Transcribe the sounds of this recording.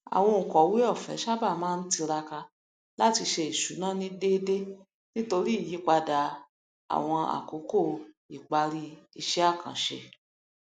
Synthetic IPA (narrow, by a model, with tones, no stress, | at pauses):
a̰˨w̃ɔ̃˧ŋ̩˨kɔ˨˦wi˦ɔ˦˨fɛ̰˨˦ʃa˦ba˦˨mãː˦˧n̩˦ti˧ɾa˧ka˧ | la˦ti˧ʃe˧i˨ʃu˨˦nã˦nĩ˦de˦de˦ | nĩ˦to˧ɾi˦˨ji˨˦k͡pa˧da˨ | a̰˨w̃ɔ̃˧a̰˨ko˨˦ko˦˨ | i˨k͡pa˧ɾi˦i˦˧˨ʃɛ˦a˦˨kʰã̰˨ʃḛ˧˨